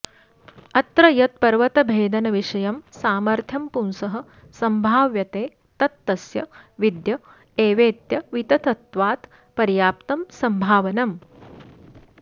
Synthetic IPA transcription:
ɐt̪ɾɐjɐt̪̚pɐɾʋɐt̪ɐbʱeːd̪ɐnɐʋiʂɐjɐmsaːmɐɾt̪ʰjɐmpunsɐɦɐ̆ | sɐmbʱaːʋjɐt̪eː | t̪ɐt̪ːɐsjɐ̰ʋid̪jɐ | eːʋeːt̪jɐʋit̪ɐt̪ɐt̪ʋaːt̪ | pɐɾjaːp̚t̪ɐmsɐmbʱaːʋɐnɐm

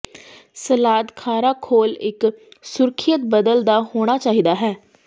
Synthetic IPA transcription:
səlaːd̪kʰaːɾaːkʰoːlɪksʊɾkʰɪjət̪̚bəd̪əld̪aːhoːɽ̃aːt͡ʃaːɦiːd̪aːɦɛː

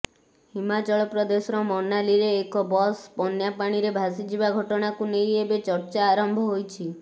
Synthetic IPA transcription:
himat͡ʃɔɭɔpɾɔd̪esɔɾɔmɔnaliɾeːkɔbɔspɔnjapaɽ̃iɾebʱasid͡ʒibaɡʱɔʈɔɽ̃akunejebet͡ʃɔɾt͡ʃaːɾɔmbʱɔɦojt͡ʃʰi

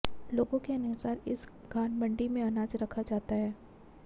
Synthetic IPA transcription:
loːɡõkeɐnʊsaːɾɪ̰s | ɡʱaːnbɐ̃ɳɖimẽɐnaːd͡ʒɾɐkʰad͡ʒaːt̪aɦɛː

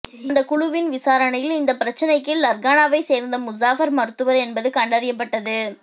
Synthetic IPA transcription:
nd̪ɐkʊɻʊʋɪnʋɪsaːɾɐnɐjɪlɪnd̪ɐpːɪɾɐt͡ʃːɐnɐɪkːɯlɐɾɡaːnaːʋɐɪseːɾnd̪ɐmʊsaːfɐɾmɐɾɯt̪ːɯʋɐɾɛnbɐðɯkɐɳɖɐɾɪjɐpːɐʈːɐðɯ

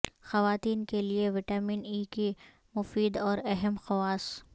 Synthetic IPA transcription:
xɐʋaːt̪iːnkelieʋɪʈaːmiːniːki | mʊfiːd̪ɔːɾɛɦɛmxɐwaːs

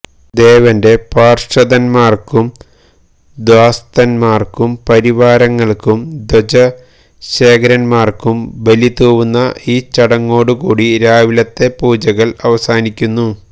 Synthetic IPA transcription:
d̪e̞ːʋɐnde̞paːrʂɐðɐnmaːrkum | d̪waːst̪ɐnmaːrkumpɐɾiʋaːɾɐŋːɐɭkumd̪od͡ʑɐ | ɕe̞ːkɐɾɐnmaːrkumbelit̪uːʋunːɐiːt͡ɕɐɽɐŋːo̞ːɽukuːɽiɾaːʋilɐt̪ːe̞puːd͡ʑɐɣɐɭɐʋɐsaːnikʲːunːu

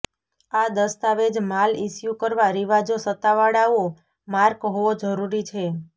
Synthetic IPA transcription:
ad̪əst̪aʋed͡ʒmalisjukəɾʋaɾiʋad͡ʒosət̪aʋaɽao | maɾkɦoʋod͡ʒəɾuɾit͡ʃʰe

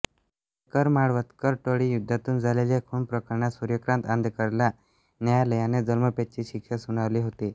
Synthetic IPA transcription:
kəɾmaɭʋət̪kəɾʈoɽiːjud̪ʱːat̪uːnd͡zʱaleljakʰuɳpɾəkəɾɳasuɾjəkɾãnt̪and̪kəɾlja | njajaləjaned͡zəlməpet͡ɕiːɕikʂasuɽ̃aʋliːɦot̪i

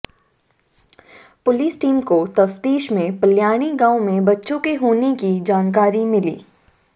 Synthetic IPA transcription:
pʊliːsʈiːmkot̪ɐft̪iːʃmẽpɐljaːɽ̃iɡãːõmẽbɐtːʃõkeɦoːnekid͡ʒaːnk̬aːɾimɪlḭː

